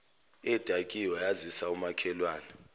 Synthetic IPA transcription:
ɛd̥ʼʱakʼijɔjazisaumakʰɛlwaːnɛ

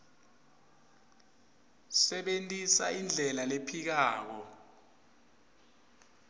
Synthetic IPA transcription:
sɛɓentʼisaind͡ɮʱɛlalepʰik̬aːk̬ɔ

